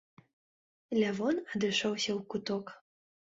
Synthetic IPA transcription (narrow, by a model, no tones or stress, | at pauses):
lʲavɔnɐd̪ɨʂɔwsʲɐwkut̪ɔk